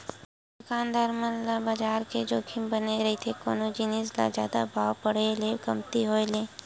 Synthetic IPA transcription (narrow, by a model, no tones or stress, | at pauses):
d̪ʊkaːnd̪aːɾməllabaːd͡ʒaːɾked͡ʒoːkʰɪmbəneɾɐɦit̪ʰeko̰ːnod͡ʒinɪsla̰zja̰ːd̪a̰bʱaːwpɐɽ̤eleɡɐmt̪iɦoːeleː